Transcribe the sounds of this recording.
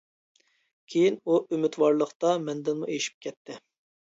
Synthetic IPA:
kʲʰejinuymɪt̪wɑɾlˠəqt̪ɑmɛnd̪ɪnmuʔeʃi̥p̚kʲʰɛt̪ʰːɪ

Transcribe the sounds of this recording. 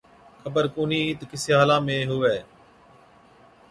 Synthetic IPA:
kʰəbəɾkuːniːt̪kɪsɪɦaːlãːmẽːɦʊʋɛː

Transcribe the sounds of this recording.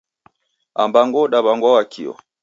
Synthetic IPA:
ambaŋɡɔɗaβaŋɡwawakʰiɔ̰

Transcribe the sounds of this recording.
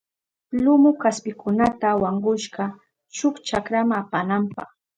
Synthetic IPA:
lʊmʊkaspɪkʊnat̪awaɴɢʊʃɢɑ | t͡ʃʊkt͡ʃakɾamaapanampɑ̰χ

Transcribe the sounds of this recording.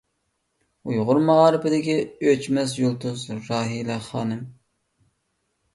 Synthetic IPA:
ujʁʊɾmɑʁɑːɾɪpɪd̪ɪkʲiøt͡ʃmɛs̬julˠt̪ʰʊzɾɑːɦilɛχɑːnɨm

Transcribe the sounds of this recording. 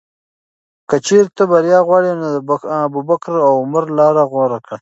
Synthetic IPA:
kət͡ʃeɾt̪əbaɾjɑːɣwɑːɽenod̪əbubakɾawʊməɾlɑːɾaɣoɾakɽa

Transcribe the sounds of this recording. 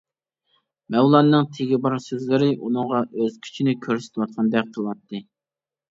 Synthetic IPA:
mɛwlˠɑnːɨŋt̪ʰeɡʲibɑɾsøzlɪɾɪʔunɨŋʁɑʔøz̥kʲʰy̥t͡ʃʰinɪkʲʰøɾsɪ̥t̪ʰɪwɑt̪̚qʰɑnd̪ɛk̚ʲqʰəlˠɑt̪ʰːɨ

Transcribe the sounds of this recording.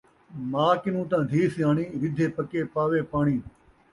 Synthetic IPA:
maːkɪnũːt̪ãːd̪ʱiːsjaːɳiːɾɪd̪ʱeːpəkeːpaːʋeːpaːɳiː

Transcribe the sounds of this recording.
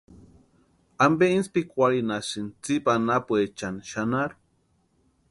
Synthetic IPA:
ambeinspikʷaɾinasɨnt͡sipanapuet͡ʃanʃanaɾu

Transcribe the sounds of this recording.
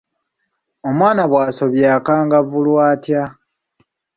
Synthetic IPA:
o̞mwaːnaβwaːso̞βjaːkaːŋɡavulwaːtja

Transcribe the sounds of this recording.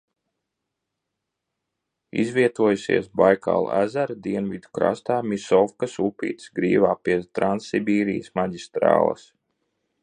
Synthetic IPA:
ḭzviɛt̪uɔjusḭɛsbajka̰ːl̰ˠæzæɾd̪iɛnvʲid̪ukɾa̰st̪aːmʲisɔfkasupʲḭːt̪sɡɾḭːvaːpiɛt̪ɾansibʲiːɾijəsmaɟʲist̪ɾa̰ːlˠa̰s

